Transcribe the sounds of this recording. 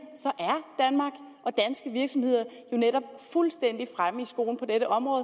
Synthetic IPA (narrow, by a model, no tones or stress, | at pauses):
sɒ̽ʔæɐd̥ænmɑ̈ːɡ̥ | ʔɒ̽d̥ænsɡ̥əʋiɐɡ̥sɒ̽mhe̝ð̰ˠɐ | jo̝neɾ̥ɒ̽b̥̚fulsd̥en̰d̥ifʁaməisɡ̥o̝̰ːln̩pʰɒ̽d̥eɾ̥əʔɒ̽mʁɔːðˠ